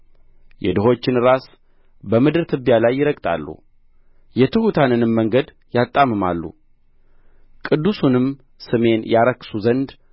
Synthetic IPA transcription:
jɛ̰d̪ɨɦo̞t͡ʃːɪnɨɾas | bəmɨd̪ɨɾt̪ʰɨbjalajːɪɾəkʼt̪ʼa̰lːṵ | jɛt̪ʰɨhut̪ʰanɨnɨmːəŋɡəd̪ | jat̪ʼːamɨma̰lːṵ | kʼɨd̪ːusunɨm | sɨme̞njaɾəkʼːsuzənd̪

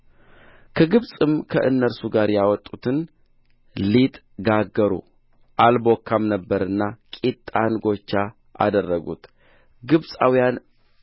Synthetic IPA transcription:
kʰəɡɨβsʼɨmkʰə̰ʔɨnːəɾsuɡaɾjawɔt̪ʼːut̪ʰɨn | lit̪ʼ | ɡaɡːəɾṵ | ʔalbokʰːamnəbːəɾɨnːakʼit̪ʼːanɡo̞t͡ʃːa | ʔa̰d̪ərːəɡṵt̪ | ɡɨβsʼawijan

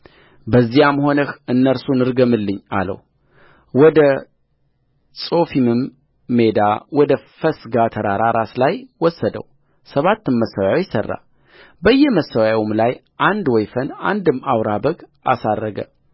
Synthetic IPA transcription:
bəzːijamho̞nəxɨnːəɾsunɨɾɡəmɨlːɨɲːa̰lə̰w | wɔd̪ə | sʼo̞fimɨmː | ed̪awɔd̪əfəsɡat̪ʰəɾaɾaɾʔaslajwɔsːəd̪ə̰w | səβat̪ːɨmməsːawjawjsə̰rːa̰ | bəjːɛməsːəwawmlaj | ʔand̪wɔjfəna̰nd̪ɨmːawɾabəɡa̰sarːəɡə̰

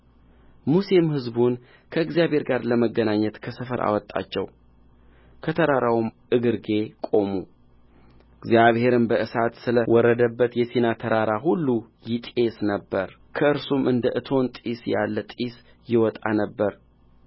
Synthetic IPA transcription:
musimhɨzbun | kʰəɨɡzijaβhe̞ɾɡaɾləməɡːənaɲːət̪kʰəsəfəɾʔa̰wɔt̪ʼːa̰t͡ʃːɛw | kʰət̪ʰəɾaɾʔawumʔɨɡɨɾɡe̞kʼo̞mu | ɨɡzijaβhe̞ɾɨnbəʔɨsat̪sɨləwɔɾːəd̪əbːət̪jɛsenat̪ʰəɾaɾaɦulːujɪt̪ʼe̞snəbːəɾ | kʰəɨɾsumʔɨnd̪əʔɨt̪ʰo̞nt̪ʼisja̰lːət̪ʼis | jɪwɔt̪ʼa̰nəbːəɾ

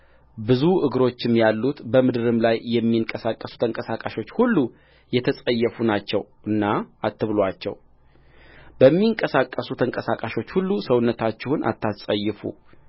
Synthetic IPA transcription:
bɨzuʔɨɡɾo̞t͡ʃːɪmjalːut̪bəmɨd̪ɨɾɨmlajːɛmːiɨŋkʼəsakʼːəsu̥t̪ʰəŋkʼəsakʼaʃo̞t͡ʃːhulːu | jɛt̪ʰəsʼəjːɛfunat͡ʃːɛ̰wʔɨnːaat̪ʰːɨβlwat͡ʃːɛ̰w | bəmːiŋkʼəsakʼːəsut̪ʰəŋkʼəsakʼaʃo̞t͡ʃːhulːusəwʊnːət̪ʰat͡ʃːɛhunʔa̰t̪ʰːasʼəjːɨfṵ

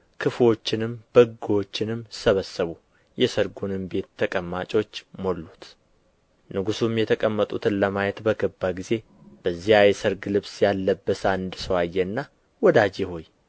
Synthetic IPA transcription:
kʰɨfwo̞t͡ʃːɪnɨmb̥əɡwo̞t͡ʃːɪnɨmːsəβəsːəβu | jɛsəɾɡunɨmbe̞t̪ʰːəkʼəmːat͡ʃʼo̞t͡ʃːmo̞lːut̪ | nɨɡusumjɛt̪ʰəkʼəmːət̪ʼut̪ʰɨnləmajɛt̪bəɡəbːaɡize̞ | b̥əzːihajsəɾɡɨlɨβsjalːəbːəsand̪səwajːɛnːa | wɔd̪ad͡ʒɛho̞j

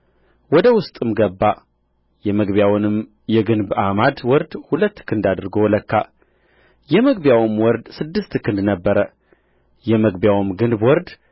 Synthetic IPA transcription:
wɔd̪əwʊst̪ʼɨmɡəbːa | jɛməɡβjawnɨm | jɛɡɨnbamad̪wɔɾd̪hulət̪ːkʰɨnd̪ad̪ɾɡowləkːa̰ | jɛməɡbjawmwɔɾd̪sɨd̪ːɨst̪kʰɨnd̪nəbːəɾə | jɛməɡbjawɨmɡɨnbwɔɾd̪

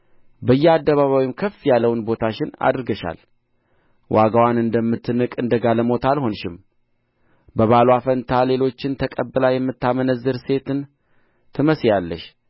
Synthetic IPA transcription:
bəjːɛad̪ːəβaβawimkʰəfːjalːəwnbo̞t̪ʰaʃɪna̰d̪ɾɡəʃa̰l | wʔaɡawanɨnd̪əmːɨt̪ʰːɨnɨkʼɨnd̪əɡaləmo̞t̪alho̞nʃɪm | bəβalwafənt̪ʰale̞lo̞t͡ʃːɪnt̪ʰəkʼəbːɨlajɛmːɨt̪ːamənəzːɨɾse̞t̪ɨn | t̪ʰɨməsjalːəʃ

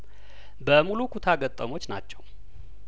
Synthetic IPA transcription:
bəmulukʰut̪ʰaɡət̪ʼːəmo̞t͡ʃːnat͡ʃːɛw

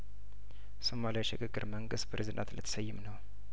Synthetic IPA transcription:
somalijaʃɪkʼɨɡʼɨɾməŋɡɨst̪pʰɾezid̪a̰nt̪lət̪ʰə̥səjːɪmnəw

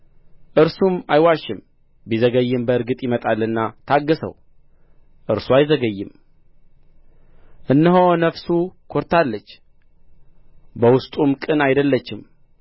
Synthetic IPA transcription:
ʔɨɾsumajwaʃɪm | bizəɡəjːɨmbəɨɾɡɨt̪ʼjɪmət̪ʼalːɨnːat̪ʰaɡːəsə̰w | ʔɨɾsuajzəɡəjːɪm | ʔɨnːɨɦonəfsukʰo̞ɾt̪ʰalːət͡ʃː | bəwʊst̪ʼumkʼɨnajd̪əlːət͡ʃːɪm

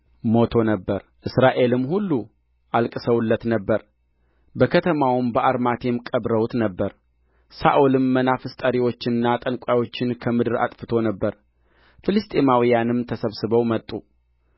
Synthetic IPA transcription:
mo̞t̪ʰo̞nəbːəɾʔɨsɾaʔe̞lɨmːhulːu | ʔalkʼɨsəwulːət̪nəbːəɾ | bəkʰət̪ʰəmawmbəʔaɾmat̪ʰemkʼəbɾəwut̪nəbːəɾ | sa̰ʔulɨmːənafɨst̪ʼəɾiwo̞t͡ʃːɪnɨnːat̪ʼənkʷʼajo̞t͡ʃːɪnkʰəmɨd̪ɨɾa̰t̪ʼfɨt̪ʰo̞nəbːəɾ | fɨlɨst̪ʼemawijanɨmt̪ʰəsəβsɨβəwmət̪ʼːu

